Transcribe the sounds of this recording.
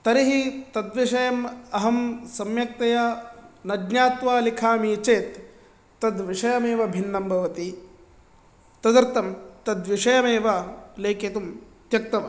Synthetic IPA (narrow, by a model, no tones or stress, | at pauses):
t̪ɐɾiɦit̪ɐd̪ʋiʂɐjɐmɐɦɐmsɐmjɐk̚t̪ɐjɐnɐdnaːt̪ʋaːlikʰaːmit͡ʃeːt̪ː | ɐd̪ʋiʂɐjɐmeːʋɐbʱinːɐmbʱɐʋɐt̪i | t̪ɐd̪ɐɾt̪ɐmt̪ɐd̪ʋiʂɐjɐmeːʋɐleːkʰet̪um | t̪jɐk̚t̪ɐʋɐ